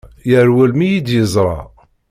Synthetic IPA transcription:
jəɾwælmijid̪jəzˤɾˤɑ̰

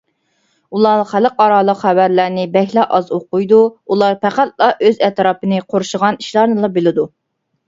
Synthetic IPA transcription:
ulˠɑχæləqɑɾɑːlˠəqχæbæɾlæɾnɪbɛhlæʔɑzoqʊjd̪uulˠɑɾpʰæχæt̪̚lˠɑʔøzɛt̪ɾɑːpɨnɨqʰoɾʃəʁɑniʃlˠɑɾnɨlˠɑbelɪd̪u

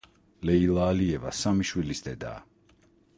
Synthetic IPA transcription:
lɛilˠaːliɛva̰samiʃwilisd̪ɛd̪a̰ː

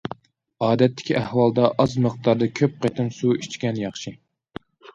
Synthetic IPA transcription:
ɑːd̪ɛt̪ʰːɪ̥kʲʰiʔæhwɑlˠd̪ɑʔɑzməχt̪ɑɾd̪ɑkʲʰøp̚qet̪ʰɨmsuit͡ʃkʲɛnjɑχʃi

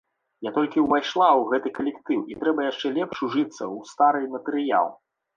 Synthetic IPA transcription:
jat̪ɔlʲkʲiwvajʂlˠawɣɛt̪ɨkɐlʲɛkt̪ɨwit̪ɾɛbɐjaʂt͡ʂɛlʲɛpʂuʐɨt̪sːɐ̰wst̪aɾɨmɐt̪ɨɾɨja̰lˠ

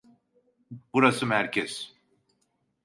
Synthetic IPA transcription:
b̥uɾasɯmhæɾcʰɛs

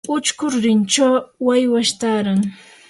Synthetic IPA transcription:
ʊt͡ʃkʊɾɾɪnt͡ʃawwajwaʃt̪aːɾaŋ

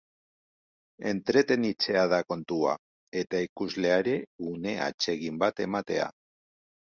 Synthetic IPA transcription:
e̞̰nt̪ɾe̞t̪e̞nit͡se̞að̞ako̞nt̪ua̰ | e̞t̪aikuzle̞aɾe̞une̞a̰t͡ʃe̞ɣimbat̪e̞mat̪e̞a̰

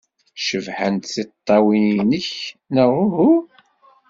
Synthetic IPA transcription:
ʃəvħənt̪θit̪ˤːɑwininəçnəʁʊɦu

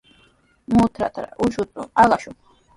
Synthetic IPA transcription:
mut̪ʰɾa̰t̪ʰɾa̰ʔuʃut̪ʼualaʃu

